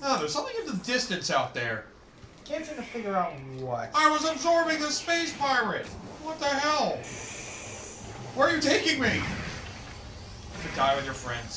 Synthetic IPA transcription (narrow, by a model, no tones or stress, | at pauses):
noʊðə˞z̥sʌ̃mθɪ̃ŋʌ̃nðɨdɪstɨ̃nsaʊt̪̚ðə˞ | kʰæ̃nt͡ʃnɨfɪɡjə˞aʊt̚wʌaɪwʌzəbzɔɹbɪ̃ŋðɨspeɪspʰaɪɹɨt̚wʌt̪ɨɦaɛʊlˠ | wə˞ə˞jɨtʰeɪkɪ̃ŋmi | ðɨɡaɪwɨðjə˞fɹɛ̰̃ndz̥